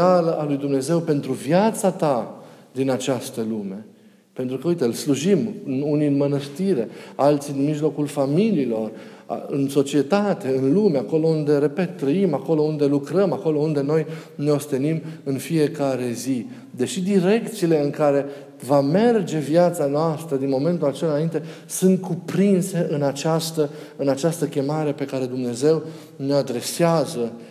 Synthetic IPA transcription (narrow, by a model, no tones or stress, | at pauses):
aləʔalujd̪umne̞ze̞wpe̞nt̪ɾuvjat̪sat̪ad̪inat͡ʃast̪əlume̞ | pent̪ɾukəujt̪eɨlsluʒimɨnuniɨnmənəst̪iɾe̞alt̪sid̪inmiʒlo̞kulfamiliːlo̞r̰ | ɨ̰nso̞t͡ʃie̞t̪at̪e̞ɨnlumeako̞lo̞und̪e̞ɾe̞pe̞t̪ːɾəimako̞lo̞und̪e̞lukɾəmako̞lo̞und̪e̞no̞jne̞o̞st̪enimɨnfije̞kaɾe̞zi | d̪e̞ʃid̪iɾe̞kt̪siːle̞ɨŋkaɾe̞ | vame̞rd͡ʒe̞vjat̪sanoast̪ɾəd̪inmo̞me̞nt̪ulat͡ʃelnaint̪e̞sɨnt̪̚kʰupɾinse̞ʔɨnat͡ʃast̪ə | ɨnat͡ʃast̪əkʲe̞maɾe̞pe̞kaɾe̞d̪umne̞ze̞w | ne̞ad̪ɾe̞seazə